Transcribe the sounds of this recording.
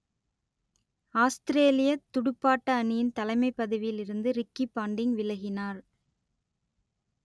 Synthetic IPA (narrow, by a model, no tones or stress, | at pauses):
aːst̪ɪɾeːlɪjɐt̪ːʊɽʊpːaːʈːɐːnɪjɪnt̪ɐlɐɪmɐɪpːɐðɯʋɪjɪlɪɾɯnd̪ɯɾɪkːipaːɳɖɪŋʋɪlɐɣɪnaːɾ